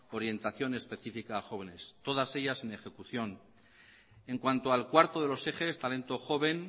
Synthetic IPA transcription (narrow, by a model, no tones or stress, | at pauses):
o̞ɾje̞nt̪aθjo̞ne̞spe̞θifikaːxo̞βe̞ne̞st̪o̞ð̞ase̞ʎase̞ne̞xe̞kuθjo̞n | e̞ŋkwant̪oalkwaɾt̪oð̞e̞lo̞se̞xe̞st̪ale̞nt̪o̞xo̞β̞e̞n